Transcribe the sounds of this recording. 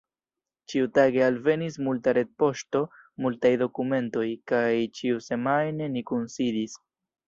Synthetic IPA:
t͡ʃiutaɡe̞alve̞nismultaɾe̞d̚po̞ʃto̞ | multajdo̞kume̞nto̞jkajt͡ʃiuse̞majne̞nikunsidis

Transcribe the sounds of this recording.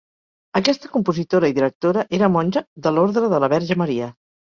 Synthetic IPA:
əkɛst̪əkumpuzit̪oɾəiðiɾək̚t̪oɾəʔeɾəmɔnʲʒəðəloɾðɾəðələβɛɾʒəməɾiə

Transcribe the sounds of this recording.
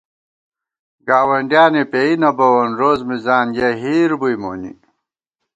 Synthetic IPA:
ɡaːwɐɳɖjaːnepeːinɐbɐwɐnɾoːzmizaːnjɐɦiːɾbujmo̰ːnḭ

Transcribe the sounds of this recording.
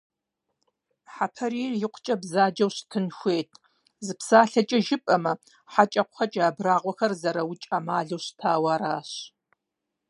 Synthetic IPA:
ħapʰɐɾiːrjɪqʷʊ̥t͡ʃʼɐbzaːd͡ʒɐwɕtʰɨnxʷeːtʰ | zɨpsaːɬɐt͡ʃʼɐʒɪpʼɐmɐ | ħat͡ʃʼɐqʷxɐt͡ʃʼaːbraːʁʷɔxɐrzɐɾɐwt͡ʃʼamaːɮowɕtʰaːwaːɾaːɕ

